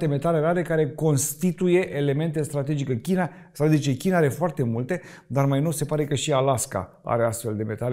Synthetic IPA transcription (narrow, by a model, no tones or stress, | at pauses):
t̪e̞me̞t̪ale̞ɾaɾe̞kaɾe̞ko̞nst̪it̪uje̞ʔele̞me̞nt̪e̞st̪ɾat̪e̞d͡ʒikekʲina | st̪ɾat̪e̞d͡ʒikekʲinaaɾe̞foart̪e̞mult̪e̞ | d̪armajnose̞paɾe̞kəʃialaska̰ | a̰ɾe̞ast̪fe̞ld̪e̞me̞t̪ale